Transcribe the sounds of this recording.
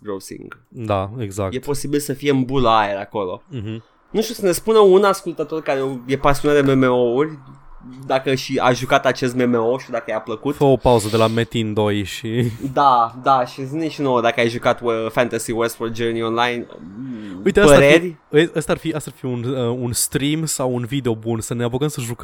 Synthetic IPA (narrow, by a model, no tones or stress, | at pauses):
ɡɾosḭŋɡ | d̪aeɡzak̚je̞t̪po̞sibilsəfije̞ɨnbuləaeɾako̞lõ̞̰ɦm̩ | nuʃt̪ʲusəne̞spunəunaskult̪ət̪o̞rkaɾeje̞pasionat̪d̪eme̞me̞o̞urʲd̪akəʃia̰ʒukat̪at͡ʃe̞s̬t̪me̞me̞o̞ʃid̪akəjapləkut̪fəopauzəd̪e̞lamet̪ind̪o̞jʃid̪ad̪aʃizineʃinowəd̪akəajʒukat̪fant̪asiwest̪ford̪̚d͡ʒəɾnionlajnə̰uieəpəaɾerʲ | əəst̪arfiəst̪arfiunəunst̪ɾimsawunvid̪eobunsəneapokəmsəʒukə